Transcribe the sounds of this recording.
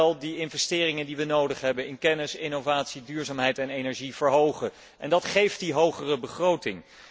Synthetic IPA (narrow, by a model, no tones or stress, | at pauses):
lˠdiɪnvɛstɪːrɪŋəndiʋənowdəχɦɛbənɪnkɛnɪsɪnovaːtsidyːɹzaːmɦɛjtɛnejnɛɹʒiv̥əɹɦowχə | ʔɛ̰ndɑtχejft̚diɦowχərəbəχrowtɪŋ